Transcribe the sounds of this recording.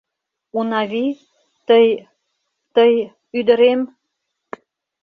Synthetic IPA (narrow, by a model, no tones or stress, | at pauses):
unɑβi | t̪əj | t̪əj | yd̪ə̆ɾem